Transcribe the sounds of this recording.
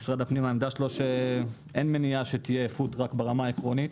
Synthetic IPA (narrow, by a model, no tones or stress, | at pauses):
sʁad̪apnimaemd̪aʃelo̞ʃe̞ | ʔenmeniaʃe̞t̪ijeːfut̪ʁakbeʁamaekʁo̞nit̪